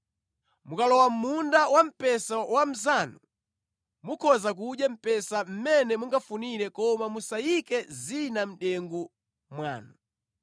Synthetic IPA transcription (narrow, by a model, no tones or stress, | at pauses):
mukalɔwamundawam̩pɛsawam̩zanu | mukʰɔzak̬uɗjam̩pɛsam̩mɛnɛmuŋɡafuniɾɛkɔmamusajikɛzinam̩ɗɛŋɡu | mwa̰ːnu